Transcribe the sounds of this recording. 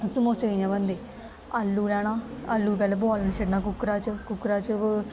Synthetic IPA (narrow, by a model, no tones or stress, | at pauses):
səmoːseːɾjãːbənd̪eː | alːuːlɛːɽ̃ãːalːuːp̬ɛːleːboːlənʃəɖnãːkʊkːɾaːt͡ʃəkʊkːɾaːt͡ʃə